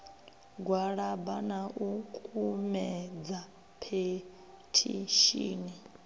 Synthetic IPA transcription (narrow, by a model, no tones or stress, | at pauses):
ɡwaɺabanaʔukʼumɛd͡za | pʰe | tʰḭʃiːni